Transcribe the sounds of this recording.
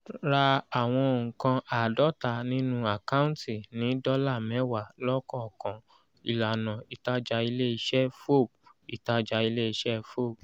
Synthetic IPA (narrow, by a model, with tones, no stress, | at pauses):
ɾa˧a˨w̃ɔ̃˧o˨ŋ̩̃˨kã˧a˨dɔ˦ta˧nĩ˦nũ˦a˨ka˦ũ˦n˦ti˦˨nĩ˨˦dɔ˦la˦˨mɛ̃˨˦wa˦˨lɔ˦kɔ˦˨kã˨ | i˨la˨nã˨i˨ta˧d͡ʒa˧i˧le˦i˧ʃɛ˦fo˦˨b̚i˨ta˧d͡ʒa˧i˧˦le˦i˧ʃɛ˦fo˦˨b̚